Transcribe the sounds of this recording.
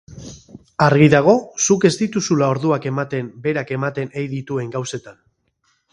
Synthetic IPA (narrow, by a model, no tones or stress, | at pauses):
aɾɣiðaɣ̞o̞suke̞zd̪it̪usulao̞ɾðuake̞mat̪e̞mbe̞ɾake̞mat̪e̞nejðit̪ue̞ŋɡawse̞t̪an